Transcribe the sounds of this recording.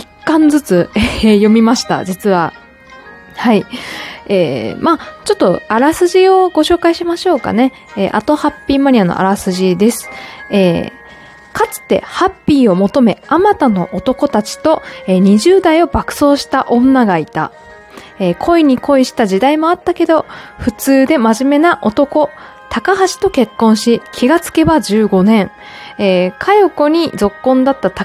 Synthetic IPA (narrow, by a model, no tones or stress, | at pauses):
ikːãnd͡zɨt͡sɨejo̞mʲimaɕi̥t̪a̰d͡ʑit͡sɨβa̰ | hai | eːmat͡ɕo̞t̪ːo̞aɾasɨʑio̞ɡo̞ɕo̞ːkaiɕimaɕo̞ːka̰ne̞ | eʔa̰t̪o̞hapʲːiːmaɲ̟ʲiano̰ʔa̰ɾasɨʑid̪e̞sɨ̥eː | kat͡sɨ̥t̪e̞̰hapʲːiːo̞mo̞t̪o̞me̞amat̪ano̞̰ʔot̪o̞ko̞t̪at͡ɕi̥t̪o̞eɲ̟iʑɨːd̪aio̞bakɯ̟̥so̞ːɕi̥t̪aʔõ̞nːaɡait̪a̰ | ekʰo̞iɲ̟iko̞iɕi̥t̪aʑid̪aimo̞at̪ːake̞d̪o̞ɸɯ̟t͡sɨːd̪e̞maʑime̞naʔo̞t̪o̞ko̞ | t̪akaɦaɕi̥t̪o̞ke̞kːõ̞ɰ̃ɕikʲʰiɡat͡sɨ̥ke̞bad͡ʑɨːɡo̞nẽ̞ŋ | eːkʰajoko̞ɲ̟id͡zo̞kːõ̞nd̪at̪ːat̪a